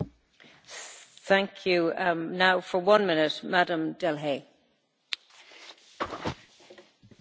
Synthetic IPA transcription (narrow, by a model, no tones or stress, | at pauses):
θæ̃ŋkʰjʉnaʊfə˞wʌ̃nmɪ̃nɪtmadə̃mdɛlˠɦeɪ